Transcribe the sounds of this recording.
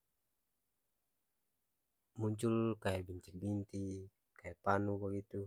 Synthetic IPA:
muɲt͡ʃulkajabiɲt͡ʃik̚ɡint̪i | kajapanubaɡit̪u

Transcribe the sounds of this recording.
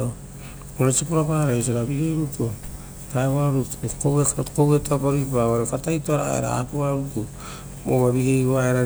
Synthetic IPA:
oɾesipoɾapaɾaos̬oɾaβiɡejɾuto | taeβaɾutkowekkowetapaβipaβaɾokatajtoaɾa̰ḛɾa̰a̰puβaɾuku | moβaβiɡejɾuaeɾa

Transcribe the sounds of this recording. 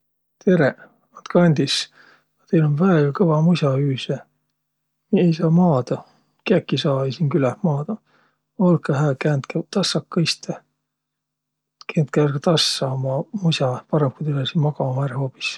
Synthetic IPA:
t̪ʰeɾe | ɑnt̪kɑnʲd̪̥is | ɑt̪ejlonvæːjɑkɤvɑmusʲɑyːse | miejsɑːmɑːd̪̥ɑ | kækːisɑːejsiːnkylæhmɑːd̪̥ɑ | olkːɑɦæːkæːnt̪kæt̪ɑsːɑkːɑist̪e | kent̪̚kæːrɡ̥ɑt̪ɑsːɑomɑmusʲɑpɑɾemp̚kujt̪elɑsinmɑɡ̥ɑhæɾhoːpi̥s

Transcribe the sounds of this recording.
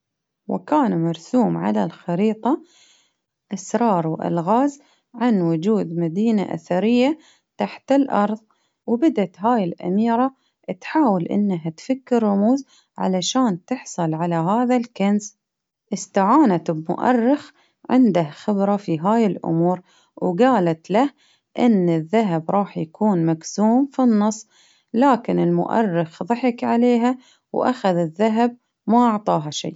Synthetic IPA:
wɪ̰kaːnmɑɾˤsuːmʕa̰lalxɑɾiːt̪ˤɑ | ʔasɾˤɑːɾˤwʔa̰lɣaːz | ʕanwʊd͡ʒuːd̪mad̪iːna̰ʔa̰θaɾɪjːa | t̪aħt̪ɪlʔɑɾˤðˤ | wbad̪at̪ɦaːjɪlʔa̰miːɾˤa | t̪ħaːwɪlʔɪ̰nːaɦat̪fakːɪɾːʊmuːz | ʕa̰laʃaːnt̪ɪħsˤɨlʕalaɦaːðalkans | ʔɪst̪aʕaːnat̪bmʊ̰ʔɑ̰rːɪx | ʕɪnd̪ahxɪbɾˤɑfiɦaːjɪlʔʊ̰muːɾ | wɡaːlat̪lah | ʔɪnːɪðːaɦabɾˤɑːħjakʰuːnmaɡzuːmfinːɑsˤː | laːkɪnɪlmʊ̰ʔɑ̰rːɪxðˤɑħɪkʕaleːɦa | wʔa̰xaðɪðːaɦab̚ | maʔɑʕt̪ˤɑːɦaʃḭjː

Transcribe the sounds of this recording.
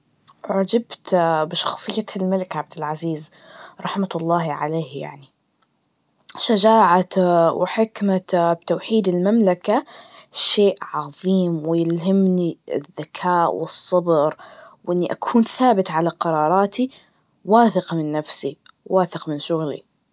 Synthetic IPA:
ʕad͡ʒabt̪bɪʃɑ̥xsˤɨjːalmalɪkʕab̚d̪ɪlʕaziːz | ɾˤɑħmat̪lˤːɑːhʕa̰leːhja̰ʕni | ʃad͡ʒaːʕawɪħɪkmabt̪awħiːd̪ɪlmamlakaʃeːʔʕɑðˤiːmwɪjɪlhamniɪ̰ðːakʰaːʔwɨsˤːɑbɾwʔɪnːiʔakʰuːnθaːbɪt̪ʕalaqɑɾˤɑːɾˤɑːt̪ʰi | waːθɪqmɪnːafsi | waːθɪqmɪnʃʊɣlḭ

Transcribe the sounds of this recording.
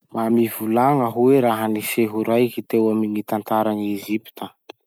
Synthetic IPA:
mamivulaŋəɦueɾaɦəniseɦuɾajkit̪ewaminit̪ant̪aɾanieʒipi̥t̪ə

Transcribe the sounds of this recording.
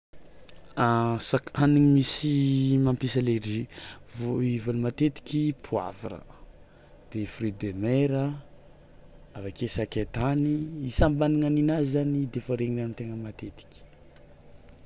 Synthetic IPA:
asakaniŋimisimampisalerivoivolimat̪et̪i̥kʲipʰwa̰viɾə̰ | d̪̥efrid̪emeɾə | avakesaket̪aniisambaniŋaninazizanid̪efəɾeŋinanit̪eŋəmat̪et̪i̥kʲi̥

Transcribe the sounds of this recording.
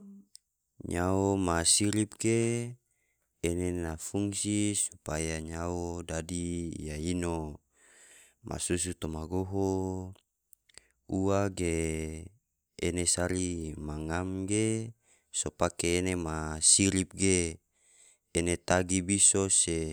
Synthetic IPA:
ɲaomasiɾip̚ɡe | enenafuŋsisupajaɲaodadijaino | mʔa̰sus̬ut̪omaɡoɦo | uaɡe | enesaɾimaŋamɡe | sopakeːnemasiɾip̚ɡe | net̪aɡibisose

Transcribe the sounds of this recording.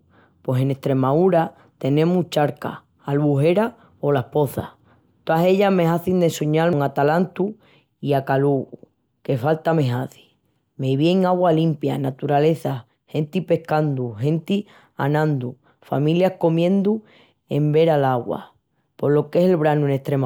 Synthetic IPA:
pwe̞se̞ne̞st̪ɾe̞mauɾa | t̪e̞nẽ̞mut͡ʃaɾka̰ | alβuɦe̞ɾa | o̞lahpo̞θa̰ | t̪oase̞ʎame̞ɦaθind̪e̞suɲalŋat̪alant̪u | iakaluɣu | ke̞falt̪ame̞ɦaθi̥ | meβje̞ŋaɣwalimpja̰nat̪uɾale̞θa | he̞nt̪ipe̞hkand̪uɦe̞nt̪i | a̰nãnd̪u | fa̰mĩljahko̞mjẽ̞nd̪u | e̞mbe̞ɾalaɣwa̰ | po̞lo̞ke̞selβɾanueneht̪ɾem

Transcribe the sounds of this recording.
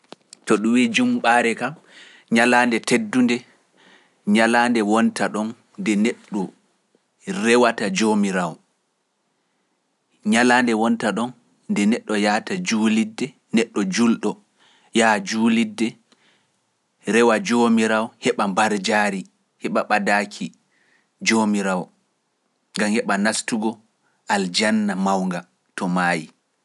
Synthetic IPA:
tɔɗumwid͡ʒumɓaɾɛkam | ɲalaːndɛtedːundɛ | ɲalaːndɛwɔntaɗɔnː | dɛneɗːɔ | ɾɛwatad͡ʒomiɾawɔ | ɲalaːndɛwɔntaɗɔnː | dɛnɛɗːɔjaːtad͡ʒuːlidːɛ | nɛɗːɔd͡ʒulɗɔ | jad͡ʒuːlidːɛ | ɾɛwad͡ʒomiɾawhɛɓambaɾd͡ʒaːɾi | hɛɓaɓadaːkʰi | d͡ʒomiɾawɔ | ŋɡamhɛɓanastuɡɔ | ʔald͡ʒanːamawŋɡa | tɔmaji

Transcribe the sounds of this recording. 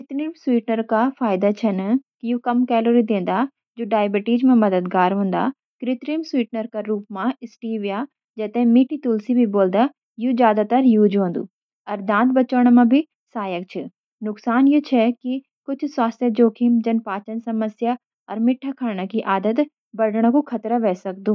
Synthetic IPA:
kɾɪt̪ɾimswiːʈnəɾkafʰaːjd̪at͡ʃʰɐnkijuːkɐmkɛːloːɾid̪ẽːn̆d̪a | d͡ʒoːɖaːjbɪʈiːd͡ʒmẽmɐd̪əd̪ɡaːɾɦũːnd̪a̰ | kɾɪt̪ɾimswiːʈnəɾkaɾuːpmãɪsʈiːʋijaː | d͡ʒɐt̪eɦmiːʈit̪ulsibʱiboːld̪a | jud͡ʒjaːd̪at̪ɐɾjuːd͡ʒõːnd̪ṵː | ɐɾd̪ãːnt̪bɐt͡ʃəːɽ̃mãbʱi | saːjək̚t͡ʃʰɪ | nʊksaːnjut͡ʃʰɛki | kʊt͡ʃʰswaːst̪ʰjəd͡ʒoːkʰimd͡ʒɐnpaːt͡ʃənsɐməsja | ɔ̰ɾmɪʈʰːakʰɐɾɳ̃əkiʔaːd̪ət̪ | bɐɽɽ̃əkukʰɐt̪ɾaʋɛːsɐk̚d̪uː

